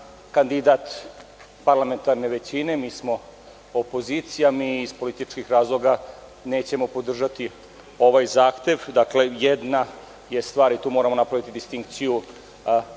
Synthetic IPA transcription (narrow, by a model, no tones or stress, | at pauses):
kand̪id̪at̪ | paɾlame̞nt̪aɾne̞ʋe̞t͡ɕine̞miːsmo̞ | opo̞zit̪sijamiːspo̞lit̪it͡ʃkixɾaːzlˠo̞ɡa | neːt͡ɕe̞mo̞po̞d̪r̩ʒat̪i | o̞ʋajzaːxt̪e̞ʋd̪akle̞jed̪na | je̞st̪ʋaːɾit̪uːmo̞ːɾamo̞napɾaʋit̪id̪ist̪iŋk̚t̪siju